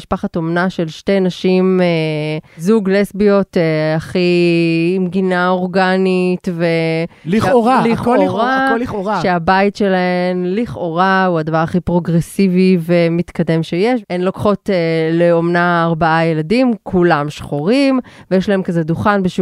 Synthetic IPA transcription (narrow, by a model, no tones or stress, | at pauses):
iʃpaχat̪o̞mnaʃe̞lʃtejnaʃimezuɡlesbijo̞teaχi | mɡinao̞ʁɡanitvelioaliχooʁaioaʃeabaitʃe̞laemliχo̞ʁauadavaʁaχipʁo̞ɡʁesivivemit̪kade̞mʃejeʃenlokχo̞teleomnaːʁbaajeladimkʰulamʃχoʁimvejeʃlaɦemkazeduχanbeʃu